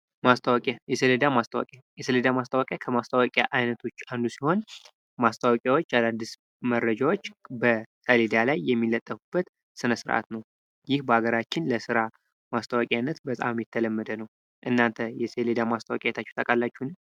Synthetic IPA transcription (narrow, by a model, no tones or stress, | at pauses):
mast̪ʰʼawakʼajɛsəled̪amast̪ʰawa̰kʼjajɛsəled̪amast̪ʰʼawakʼjakʰəmast̪ʰʼawakʼjaʔajnət̪ʰo̞t͡ʃːand̪usiho̞n | mast̪ʰawakʼjawo̞t͡ʃːad̪and̪ɨs | mərːəd͡ʒawo̞t͡ʃːbəsʰəled̪alajːɛmːilːət̪ʼːəfubːət̪ | sɨnəsɨɾʔa̰t̪nəw | jɪhbəaɡəɾat͡ʃːɪnləsɨɾa | mast̪ʰʼəwakʼjanːət̪bət̪ʼa̰mmjɛt̪ʰːələmːəd̪ənəw | ʔɨnːant̪ʰəjɛseled̪amast̪ʰəwa̰kʼajɛt̪ʰat͡ʃːɛwt̪ʼəkʼalːat͡ʃːunɨɲ